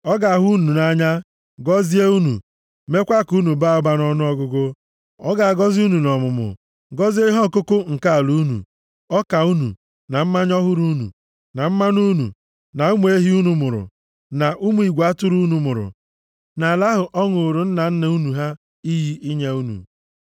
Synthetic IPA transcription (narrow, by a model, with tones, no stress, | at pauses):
ɔ˦ɡa˨ɦu˦nu˨na˦ɲa˦ | ɡɔ˦zi˦e˦u˦nṵ˨ | me˦kʷa˦ku˦nu˨ba˦˨ʊ˦ba˦nɔ˦nʊ˦ɔ˦ɡʊ˦ɡʊ˦ | ɔ˦ɡa˨a˨ɡɔ˦zu˦nu˨nɔ˨mʊ˨mʊ̰˨ | ɡɔ˦zi˦e˦ɦɔ˦˨kʊ˦kʊ˦ŋ̩˨ka˦a˨lu˦nṵ˨ | ɔ˦ka˨u˦nṵ˨ | na˨m̩˦ma˦ɲ˦ɔ˦ɦʊ˦ɾu˦nṵ˨ | na˨m̩˦ma˦nu˦nṵ˨ | na˨u˦mu˦e˦ɦi˦u˦nu˨mʊ˨ɾʊ̰˨ | na˨ʔu˦mu˦i˨ɡʷa˦tʊ˦ɾu˦nu˨mʊ˨ɾʊ̰˨ | na˨la˦ɦʊ˨ʔɔ˦ŋʊ˨ɾʊ˨n̩˦na˨n̩˦ne˦u˦nu˨ɦa˦ | i˦ɦi˦ʔi˦ɲe˦u˦nṵ˨